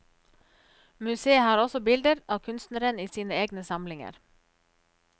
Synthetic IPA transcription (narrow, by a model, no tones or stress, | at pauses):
mʉseːhɑːɾɔsɔbɪld̪əɾɑːʋkʰʉnst̪nəɾəniːsiːnəeːɡnəsɑmlɪŋə̰ɾ